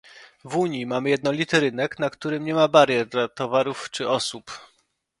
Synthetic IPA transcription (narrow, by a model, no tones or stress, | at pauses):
vuɲimamɘjɛd̪nɔlʲit̪ɘɾɘnɛknakt̪uɾɘmɲɛmabaɾʲjɛɾd̪lat̪ɔvaɾuft͡ʂɘɔsup